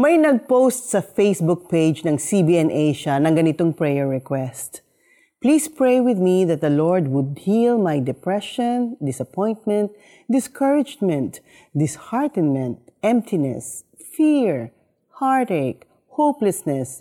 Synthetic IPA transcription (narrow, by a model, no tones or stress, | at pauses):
mɐjnɐɡ̚powst̪sɐfejsbʊk̚ped͡ʒnɐŋsibiɛnʔejʃɐnɐŋɡɐnɪt̪oŋpɹɛjɛɹːɛkwɛst̪ | pliːspɹejwɪðmiðɐt̪̚d̪ɐlɔɹd̪wʊd̪̚hilmajd̪ɛpɹɛʃɔ̃nd̪ɪsɐpɔ̃jnt̪̚mɛ̃nt̪̚ | d̪ɪskʰəɹɪd͡ʒmɛ̃nt̪ | d̪ɪshaɹt̪ɛnmɛ̃nt̪̚ɛ̃mp̚t̪ʰɪnɛ̰s | fiɹ | haɹt̪ek | howplɛsnɛs